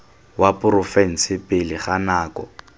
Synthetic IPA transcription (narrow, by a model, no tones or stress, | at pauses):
wapʊɾʊfɛn̩sɪpʼɪlɪχanaːkɔ̰